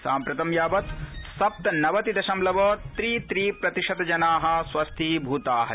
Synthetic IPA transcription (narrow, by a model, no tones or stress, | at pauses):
saːmpɾɐt̪ɐmjaːʋɐt̪sɐp̚t̪ɐnɐʋɐt̪id̪ɐʃɐmlɐʋɐt̪ɾiːt̪ɾiːpɾɐt̪iʂɐd̪ɐd͡ʒɐnaːɦɐ̆sʋɐst̪ʰiːbʱuːt̪aːɦɐ